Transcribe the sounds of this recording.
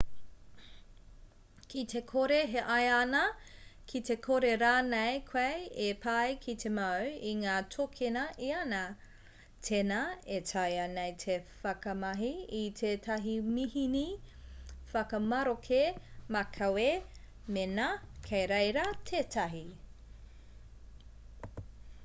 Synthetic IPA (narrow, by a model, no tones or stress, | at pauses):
kʰitʰekʰoɾeɦeʔɐjɐnɐkʰitekʰoɾeɾaːnejkʰwɐjepʰɐjkʰitʰemɐwiŋaːtʰokʰenɐʔiɐnɐ | tʰenaetʰɐjɐnejtʰefɐkɐmɐɦiitʰeːtʰɐɦimihini | fɐkɐmɐɾokʰemɐkʰɐwe | menɐkʰejɾejɾɐtʰeːtʰɐɦi